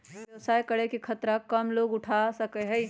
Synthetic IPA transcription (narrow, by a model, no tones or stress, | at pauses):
jɐwsaːjkəɽekikʰɐt̪ɾakəmloːɡʊʈʰasəkeɦɛi